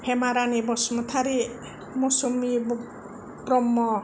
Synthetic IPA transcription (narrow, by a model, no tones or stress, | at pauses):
hemaɾanibɔsmɔt̪ʰaɾi | mɔsɔmib | bɾɔmːɔ